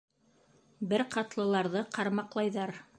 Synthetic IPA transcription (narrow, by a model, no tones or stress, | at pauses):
bɘɾqɑt̪lˠɤ̆lˠɑɾðɤqʰɑɾmɑqlˠɑjðɑɾ